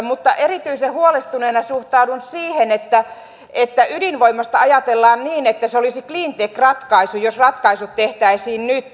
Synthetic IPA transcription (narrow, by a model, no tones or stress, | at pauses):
mut̪ːɑʔerit̪yisehhuolest̪uneːnɑsuht̪ɑudunsiːhenet̪ːæ | et̪ːæʔydinʋoimːɑst̪ɑɑjɑt̪elːɑːnniːnet̪ːæseolisikliːnt̪ekrɑt̪kɑisujosrɑt̪kɑisut̪t̪eht̪æisiːnnyt̪